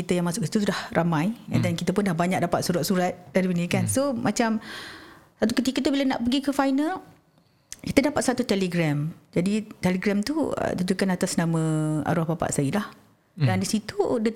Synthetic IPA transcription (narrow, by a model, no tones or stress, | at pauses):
it̪əjaŋmasʊkisi̥t̪us̬udahrʔamãjɛ̰ndɛnkit̪əpʊndahbaɲak̚dapat̪̚suɾat̪̚suɾat̪̚d̥aɾibənikansomʔat͡ʃam | sat̪ukət̪ikət̪ubilana̰ʔpəɡikəfajnal | kit̪ədapat̪̚sat̪ut̪ɛliɡɾamd͡ʒadit̪ɛliɡɾamt̪uə̰t̪ud͡ʒukanat̪asnãmə̃a̰ɾɔhbapa̰ʔsailah | dandisit̪udə